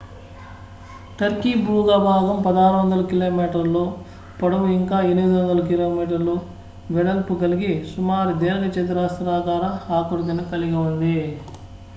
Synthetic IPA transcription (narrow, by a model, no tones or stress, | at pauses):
ʈɐɾkiːbɾuːɡaːbʱaːɡɐmpɐd̪aːɾuʋɐnd̪ɐlɐkiloːmiːʈɐɾloː | pɐɽɐmiŋkaːenimid̪uʋɐnd̪ɐlɐkilo̞ːmiːʈ̬ɐɾloː | ʋɛɽɐlpuɡɐliɡisumaːɾid̪eːɾɐkɐt͡ʃɐd̪ɐɾaːst̪ɾaːkaːɾɐaːkoɾɡ̪inɐkɐliɡɐund̪i